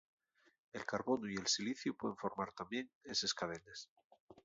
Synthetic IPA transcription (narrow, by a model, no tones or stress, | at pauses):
e̞lkaɾβo̞noie̞lsiliθjupweðeɱfo̞ɾmaɾt̪ambje̞ŋese̞skað̞e̞ne̞s